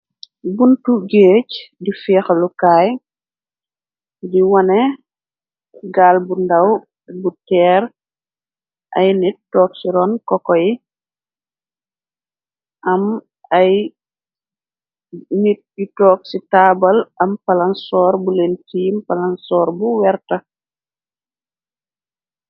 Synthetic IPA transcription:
buntuɡeːcdifɛːxlukaːj | diwɐnɛ | ɡaːlbundɐw | butɛːɾ | ʔɐ̰jnitːɔːksiɾɔːnkɔkɔji | ʔɐm | aj | nit̚itɔːk̚sitaːbɐlʔɐmpalansɔːɾbulentimpalansɔːɾbuwɛɾtɐ

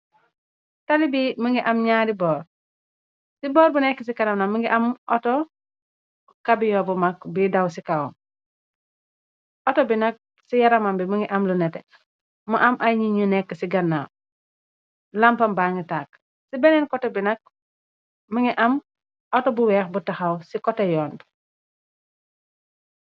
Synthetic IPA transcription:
talibiməŋɡiʔɐmɲaːɾibɔːɾ | sibɔːɾbunɛkːəsikaɾamnaməŋɡiʔɐmʔɔtɔ | kabiɲɔbumakbidawsikawɔm | ɔtɔbinɐk̚ | sijɐɾamambimuŋɡiʔɐmlunɛtɛ | muʔɐmʔɐjɲiɲunɛkːəsiɡɐnːaw | lampɐmbaŋɡitaːk̚ | sibɛnɛnkɔtɛbinɐk̚ | muŋɡiʔɐm | ɔtɔbuwɛːxbutɐxɐwsikɔtɛjɔːn

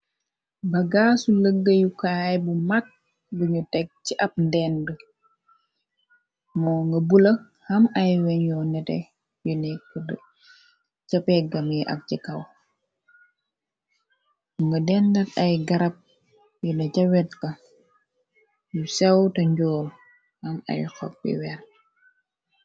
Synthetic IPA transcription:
bɐɡaːsuləɡːəjukaːjbumɐk̚ | biɲutɛk̚t͡ʃiʔɐp̚ndɛndə | mɔːŋɡɐbulɐ | hɐmɐjwɛɲjɔːnɛtɛ̰ | junɛkːd | cɐpɛɡɐmjiʔɐ̰k̚cikɐw | ŋɡɐdɛndɐtɐjɡɐɾɐp̚ | junɐcɐwɛt̚kɐ | jusɛwtɐɲɟɔːl | hɐmɐ̰jxɔ̰k̚bḭwɛɾ

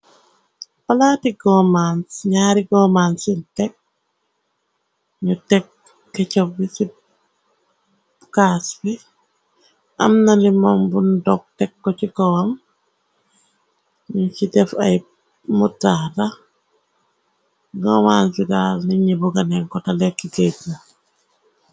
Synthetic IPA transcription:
palaːtiɡɔmansɲaːɾiɡɔmansintɛk̚ | ɲutɛk̚ː | ɛcɔbbisi | kasbi | ʔɐmnɐlimɔmbundɔk̚tɛkːɔcikɔwɐm | ɲusidɛfɐ̰j | mutaːɾɐ | ɡɔmaːnsiɡaːlniɲibuɡɐnɛŋkɔtɐlɛkːiɡetna

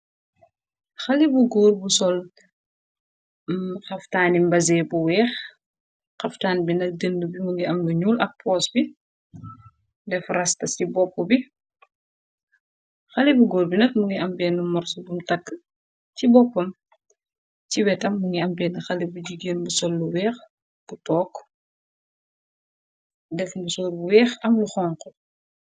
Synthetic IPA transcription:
xɐlibuɡoːɾbusɔl | xɐftaːnimbɐzɛːbuwɛːx | xɐftaːnbinɐk̚dəndubimuŋɡiɐmbuɲuːlɐk̚pʰɔːsbi | dɛfrɐstɐsibɔpːubi | xɐlibuɡɔːrbinɐt̚muŋɡiʔɐmbɛːnːumɔrsbumtɐkː | cibɔpːɐm | ciwɛtɐmːuŋɡiɐmbɛːnxɐlibuɟiɡeːnbusɔlːuwɛːx | b̥utɔːk | dɛfmusɔːlbuwɛːxɐmluxɔːŋqɔ

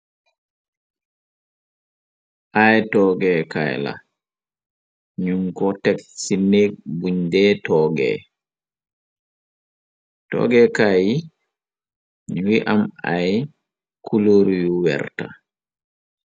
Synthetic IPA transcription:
ʔajtɔɡɛka̰jla̰ | ɲuŋkɔtɛksinebuɲdɛtɔɡɛ̰ | tɔ̰ɡɛkaj | ɲuwiʔamaj | kʰuloɾujuwɛ̰ɾta̰

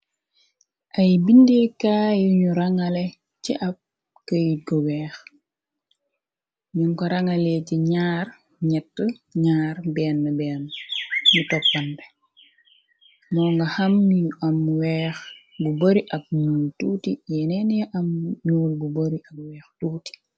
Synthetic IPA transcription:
ʔɐjbindikaːjuɲuɾɐŋɐlɛ | ciʔɐp̚ | kəjiɡɔwɛːx | ɲuŋkɔɾɐŋɐlɛciɲaːr | ɲɛtːə | ɲaːrbɛːnːəbɛːnɲutɔpːɐnbɛ | mɔːŋɡɐhɐmːɲuʔɐmwɛːx | buboɾiʔɐk̚ɲuːltuːtijɛnɛnjɛʔɐmɲuːlbuboɾiʔɐk̚wɛːxtuːti̥

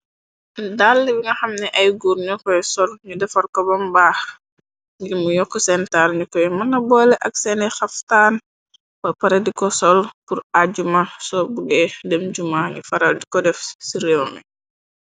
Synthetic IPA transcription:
dalːibiŋɡɐxɐmnɛʔɐjɡuɾɲɔkɔjsɔlɲudɛfɐɾkɔbɐmbax | ɡimujɔkːɔsɛntaɾɲukɔjmɐnɐbɔːlɛʔaksɛnɛxaftaːn | wɐpaɾedikɔsɔlpuɾaɟumasɔbuɡɛdɛmɟumaɲufɐɾaldikɔdɛfsiɾewmi

